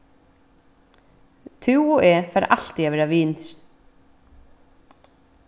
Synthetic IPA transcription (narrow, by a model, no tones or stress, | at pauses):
t̪ʰʉwɔɛːfaːɾʔal̥t̪iavɛːɾaviːnɾ̥